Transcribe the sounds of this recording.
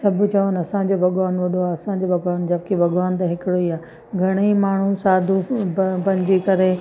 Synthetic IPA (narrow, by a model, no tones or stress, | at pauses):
sɐb̆ʱt͡ɕɐʋənɐsãɲ̆d͡ʑoːbʱɐɠʋaːnʋɐɗʱoaɐsãːɲ̆d͡ʑoːbʱɐɡʋaːnd͡ʑɐbɪkebʱɐɠʋaːnt̪̬ɐ̃ɦɪkɪɽoiaː | ɡʱɐɽ̃imaːɳ̤usaːd̪ʱupɐ̃ɲd͡ʑikɐɾe